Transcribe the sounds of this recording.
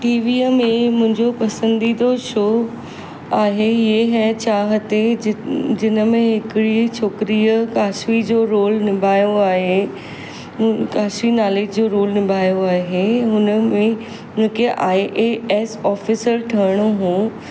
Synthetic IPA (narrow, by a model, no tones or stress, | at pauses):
ʈiːʋiːəmẽmʊ̃ɦɪ̃ɲd͡ʑopɐsə̃nd̪id̪oʃoː | aːɦeeɦɛt͡ɕaːɦət̪e | d͡ʑɪnə̆mẽɦɪkɪɽit͡ɕʰoːkɪɾiːəkaːʃʋid͡ʑoːɾoːlnɪmbʱaːjoaːɦe | kaːʃinaːleːd͡ʑd͡ʑoːɾoːlnɪmbʱaːjoaːɦeɦʊnəmẽ | ʊ̃ɦɪ̃kʰeʔaːiʔeesɔːfiːsəɾʈʰɐɪɽ̃oɦũː